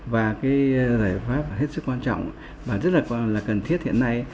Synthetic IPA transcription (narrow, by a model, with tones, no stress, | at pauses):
vaː˨˩kaː˨˦jzaː˧˩jfaː˦˥p̚he˦˥t̚sɨ˦˥kːwaː˧nt͡ɕɔ̰˧˨wŋ͡m | vaː˨˩zə˦˥t̚laː˨˩kːlaː˨˩kə˨˩nt̪ʰi˦˥ət̚hḭ˧˨ənːa˧j